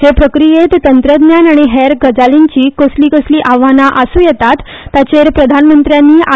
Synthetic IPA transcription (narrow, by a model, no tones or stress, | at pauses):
hepɾəkɾijet̪t̪ːənt̪ɾəd̪njanaɽ̃iɦeɾɡəd͡zaliɲt͡ɕiːkosliːkəsliːʔaʋanaʔəsuːjɛt̪at̪ː | at͡ɕeɾpɾəd̪ʱanmənt̪ɾjanːiːʔa